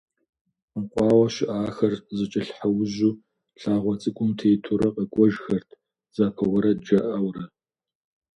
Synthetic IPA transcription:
əqʷʼɑːwɐʃɪʔaːxɐrzɨt͡ʃʼɪɬħɐwʑuː | ɬaːʁʷɔt͡sʼɨkʷʼʊmtʰeːtʰʊɾɐqʼəkʷʼɔʒxɐrtʰ | z̥aːpʰɐwɐɾɐd͡ʒɐʔɐwrɐ

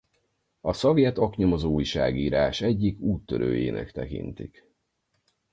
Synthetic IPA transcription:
ɒsɒvjɛt̪ɒkɲo̞mozoːjʃa̰ːɡiːɾaːʃɛɟːikuːt̪ːø̰ɾʔøːjeːnʔɛ̰kt̪ɛkḭnt̪ḭk

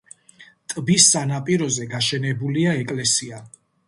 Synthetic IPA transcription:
t̪ʼbisːanapʼiɾɔzɛɡaʃɛnɛbuliaɛkʼlɛsia

